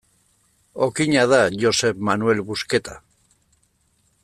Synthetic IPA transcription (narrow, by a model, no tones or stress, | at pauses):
okiɲaðaʝose̞βmanue̞lβuske̞t̪a